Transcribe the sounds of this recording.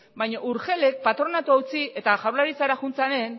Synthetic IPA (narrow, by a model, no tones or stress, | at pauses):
bajɲoʔuɾxe̞le̞k̚pat̪ɾo̞nat̪uaut͡sie̞t̪aʝawlaɾit͡saɾaxunt͡sane̞n